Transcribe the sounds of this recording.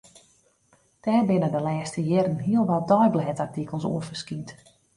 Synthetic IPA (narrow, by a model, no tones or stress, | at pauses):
d̥ɛːrbɪnədəlɛːstəjɛɾənɦiəlˠʋɔt̚dɔjblɦɛtartikəlˠsṵəfərskint